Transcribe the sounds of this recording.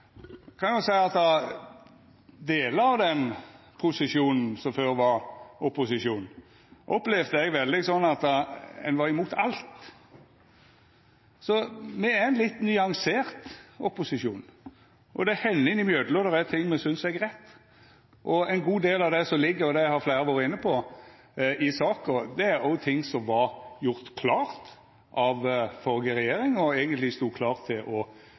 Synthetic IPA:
kʰɑnjʊsæɪɑt̪ɑ | d̪eːləɑʋd̪ɛn | pʰʊsɪʂjuːnn̩sɔmføːɾʋɑɾɔpʊsɪʃjuːn | ʔɔplɛʋd̪əɛɡʋɛld̪ɪsɔnːɑt̪ːɛ̰nʋɑɾɪmuːt̪ʰɑ̰lt̪ | sɔmɛæɾɛɪnlɪt̪ːnʏɑŋseːɾt̪ɔpʊsɪʂjuːn | ʔɔd̪ɛæhɛnːɪnɪmjøːd̪əlɔd̪ɛɾæt̪ʰɪŋːmɛsʏnsɛɡɾɛt̪ː | ʔɔɛɪnɡuːd̪eːlɑʋd̪ɛsɔmlɪɡːəɾɔd̪ɛhɑɾflæɪɾəʋɑːɾəɪnːəpʰɔ | ɪsɑːkɔd̪ɛæɾɔʊt̪ʰɪŋːsɔmʋɑɾjʊʁt̪kʰlɑːʁt̪ | ʔɑʋfɔlɡəɾɛjeːɾɪŋɔeːɡənt̪lɪst̪uːkʰlɑːʁt̪ʰɪlʔɔ

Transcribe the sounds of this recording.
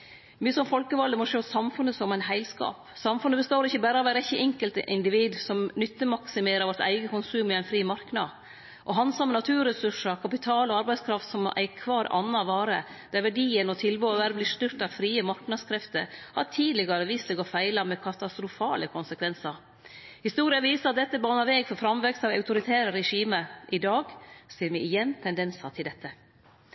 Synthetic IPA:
myːəsɔmfɔlkəʋɑld̪əmɔʂøːsɑmfʉnəsɔmæɪnɦæɪlskɑ̰ːpsɑmfʉnːəbəst̪oːɾɪçəbæːɾəɑʋæɾɛçːəʔɛŋkəlt̪əʔɪnd̪ɪʋiːd̪sɔmnʏt̪ːəmɑksɪmeːɾəɾʋɔt̪æ̰ɪɡəkʊnsʉːmɪæɪnfɾiːmɑɾknɑ | ʔɔɦɑnsɑmːənɑt̪ʰʉːɾɛsʉʂəkʰɑpɪt̪ʰɑːlɔɑɾbæɪskʰɾɑft̪sɔmæ̰ɪkʰʋɑːɾɑ̰nːɑʋɑːɾə | d̪̥æɾʋæɖiːənɔt̪ʰɪlbøːɑʋæɾblɪʂt̪ʏɾt̪ɑʋfɾiːəmɑɾknɑd̪skʰɾɛft̪əɾhɑ̰t̪ʰiːd̪lɪɡɑɾəʋist̪ɛɡɔfæɪlɑmɛkʰɑt̪ɑst̪ɾʊfɑːləkʰʊnsəkʰʋɛnsɑɾ | hɪst̪uːɾɪɑʋiːsəɾɑt̪̚d̪ɛt̪ːəbɑːnɑɾʋeːɡfɔɾfɾɑmʋɛkst̪ɑʋɑ̰ʉt̪ʊɾɪt̪ʰæːɾəɾɛʂiːməʔɪd̪ɑːɡsiːɾmɛɪjɛnːt̪ʰɛnd̪ɛnsɑt̪ʰɪld̪ɛt̪ʰːə

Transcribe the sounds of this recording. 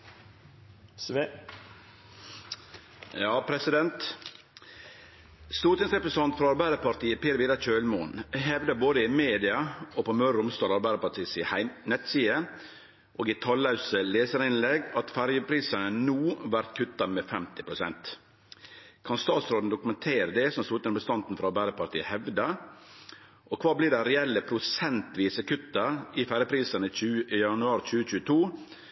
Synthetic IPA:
jɑːpʰɾɛsɪd̪ɛnt̪ | st̪uːɾʈ̪ɪŋsɾɛpɾɛsɑnt̪fɾɑɑɾbæɪd̪əpɑɾt̪iːəpɛːɾʋiːd̪ɑt͡ʃøːlmunɦɛʋd̪əboːd̪əɪmeːd̪ɪɑoːpɔmœɾʊmst̪ɑːlɑɾbæɪd̪əɾpɑt̪ʰiːsihæɪnɛt̪siːə | ʔoːɡɪt̪ʰɑlɑʉsəleːsəɾɪnlɛɡɑt̪fæɾjəpʰɾiːsənənuːʋæɾt̪kʰʉt̪ːɑmefɛmt̪ɪpʰɾʊsɛ̰nt̪ | kʰɑnst̪ɑːt̪sɾoːd̪n̩d̪ʊkʉmɛnt̪ʰeːɾəd̪ɛsɔmslʊt̪ənbəst̪ɑnt̪n̩fɾɑɾbæɪd̪əpɑɾʈ̪ʰiːəhɛʋd̪ɑ | ʔɔkʰʋɑːbliːɖɛɾɛɛlːəpʰɾʊsɛnt̪ʋiːsəkʰʉt̪ːɑɪfæɾjəpʰɾiːsənəʉːjɑnʉɑːɾt͡ʃʉːət͡ʃʉːət̪ʰuː

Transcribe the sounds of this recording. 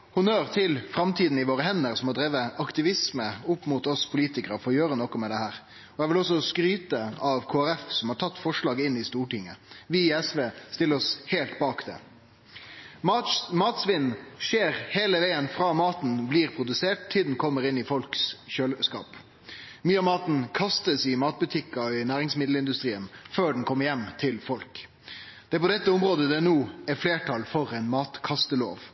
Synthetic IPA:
hʊnøːɾt̪ʰɪlfɾɑmt̪ʰiːd̪n̩ɪʋoːɾəɦɛnːəɾsɔmɔd̪ɾɛːʋəʔɑkt̪ɪʋɪsməʊpːmuːt̪ɔspʰʊliːt̪ɪkəɾfɔɾɔjøːɾənɔkɔmɛd̪ɛhæːɾ | ɔjɛʋɪlɔs̬ːɔskɾyːt̪əɑʋkʰoːæɾɛfsɔmhɑːʈʰɑt̪ːfɔʂlɑːɡɪnːɪst̪uːʈɪŋːəʋɪːɛsʋeːst̪ɪləɾɔsheːlt̪bɑːkd̪ɛ̰ | mɑmɑːt̪sʋɪnn̩ʃeːɾheːləʋeːənfɾɑːmɑːt̪n̩bliːɾpʰɾʊd̪ʉseːʈ̚t̪ʰːɪld̪n̩kʰɔmːəɾɪnːɪfɔlksʃøːlskɑ̰ːp | myːəɑmɑːt̪nkʰɑst̪əsɪmɑːt̪̚bʉt̪ʰɪkːɑɪnæːʁɪŋsmɪd̪lɪnd̪ʉst̪ɾiːənføːɖn̩kʰɔmːəɾjɛmːt̪ʰɪlfɔlk | d̪̥ɛæpɔd̪ɛt̪ːəʊmɾoːd̪əd̪ɛnuːɛfleːʈʰɑlfɔɾɛɪnmɑːt̪kʰɑst̪əlo̰ːʋ

